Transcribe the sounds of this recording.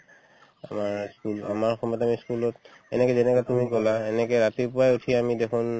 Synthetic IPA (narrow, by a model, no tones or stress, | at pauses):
amaɹskulamaɹxɔmɔjɔtamiskulɔt | ɛ̰nɛkɛzɛnɛkatumikɔlaɛnɛkɔɹatipʊajutʰiamidekʰʊn